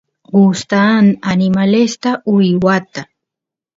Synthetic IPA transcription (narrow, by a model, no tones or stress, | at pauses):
ɢust̪ananɪmalest̪aʊjwat̪a